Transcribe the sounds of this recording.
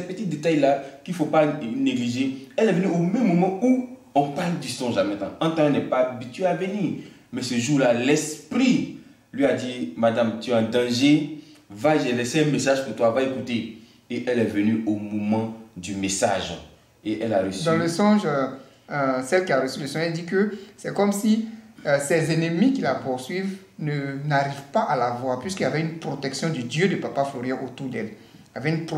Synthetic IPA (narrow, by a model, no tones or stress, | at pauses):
ɛt̚pøt̪it̪̚d̪et̪ajlakilfopaneɡliʒeɛlɛvønyomɛ̃mːomãu | ɔ̃pald̪isɔ̃ʒamɛ̃t̪ã̰ãt̪ãɛlnɛpaːbit̪ɥeavəniːʁmɛsəʒuːlalɛspɾi | lɥiad̪imad̪amt̪yɛɑ̃d̪ãʒevaʒelɛseɛ̃mesaʒkət̪wavaekut̪e | eʔɛlɛvənyomomɑ̃d̪ymesaʒ | eʔɛlaɾəsd̪ãləsɔ̃ʒ | sɛlkiaʁəsyləsɔ̃ʒɛd̪ikəsɛkɔmsisɛzenəmikilapuʁsɥiv | nənaʁivpaʔalavwaʁpɥiskiljavɛynpχot̪ɛksjɔ̃d̪yd̪jød̪əpapafloʁjɑ̃ʔot̪uʁd̪ɛl | iljavɛynp